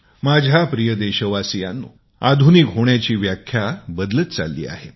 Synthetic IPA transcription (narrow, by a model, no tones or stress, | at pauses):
mad͡ʑʱapɾijəd̪eɕəʋasija̰nːṵː | ad̪ʱunikɦoɳjat͡ɕiːʋjakʰːjabəd̪lət̪t͡sa̰lːḭːa̰ɦe